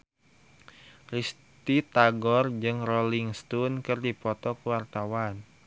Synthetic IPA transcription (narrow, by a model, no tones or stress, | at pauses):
ris | t̪it̪aɡɔrd͡ʒɨŋroliŋst̪unkɨrdipɔt̪ɔkuwart̪awan